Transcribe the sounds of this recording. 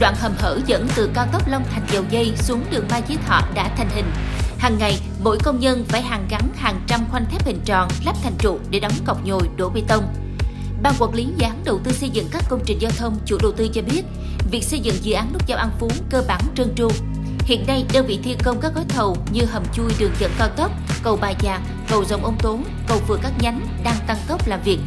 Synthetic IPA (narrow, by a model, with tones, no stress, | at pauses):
ɗwa̰ː˧˨nhə˨˩mhə̰ː˧˩zə̰˧˥nt̪ɨ˨˩kaː˧wt̪ə˦˥k͡p̚la˧wŋ͡mt̪ʰa˨˩jŋ̟zə˨˩wzə˧jsu˨˦əŋɗɨ˨˩əŋ̚maː˧jt͡ɕi˧˦ət̪ʰɔ̰˧˨ɗa̰ː˧˥t̪ʰa˨˩jŋ̟ɦï˨˩ŋ̟haː˨˩ŋːa˨˩j | mo̰˧˥jkə˧wŋ͡mɲə˧nfaː˧˩jɦaː˨˩ŋɣa˨˦nhaː˨˩ŋt͡ɕa˧mxwa˧ŋt̪ʰɛ˦˥p̚hḭ˧˨˩ŋ̟t͡ɕɔ̰˨˩nlaː˦˥p̚t̪ʰa˨˩jŋ̟t͡ɕṵ˧˨ɗe˧˩ɗɔ˨˦wŋ͡mka˨˩wk͡p̚ɲo˨˩jɗo˧˩ve˧˦t̪ə˧wŋ͡m | ɓaː˧˩ŋku˨˩ək̚li˨˦zɨ˧˨ʔaː˨˦nɗə˨˩wt̪ɨ˧sə˧jzɨ̰˧˨ŋkaː˦˥kːə˧wŋ͡mt͡ɕï˨˩ŋ̟zaː˧wt̪ʰə˧wŋ͡mt͡ɕṵ˧˩ɗə˨˩wt̪ɨ˧t͡ɕɔ˧ɓi˦˥ət̚ | vi˨˩ək̚sə˧jzɨ̰˧˨ŋzɨ̰˧˨ʔaː˨˦nlʊ˦˥t̚zaː˧wʔa˧nfu˨˦ŋkəː˧ɓaː˧˩nt͡ɕɨ˧əŋt͡ɕu˧ | hḭ˧˨ənːa˧jɗəː˧vḭ˧˨t̪ʰi˧əkə˧wŋ͡mkaː˦˥k̚zɔ˨˦jt̪ʰə˨˩wɲɨ˧ɦə˨˩m̚t͡ɕu˧jɗɨ˨˩əŋzə̰˧˥nkaː˧wt̪ə˦˥p̚kə˨˩wɓaː˨˩jzaː˨˩k̚ːə˨˩wzə˨˩wŋ͡mʔə˧wŋ͡mt̪o˨˦n | kə˨˩wvɨ˨˩əkaː˦˥k̚ɲa˨˦jŋ | ɗaː˧ŋt̪a˧ŋkə˦˥wp̚laː˨˩vi˨˩ək̚